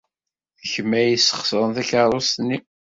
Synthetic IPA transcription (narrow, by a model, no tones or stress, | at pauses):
θəçəmːæjisə̥χsəɾˤənθæçəɾˤost̪nːi